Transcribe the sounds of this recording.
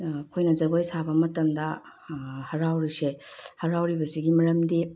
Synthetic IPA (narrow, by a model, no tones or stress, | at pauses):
kʰojnɐzɐɡojsabɐmɐtɐmdɐ | hɐɾawɾisehɐɾawɾibɐsiɡimɐɾɐmdi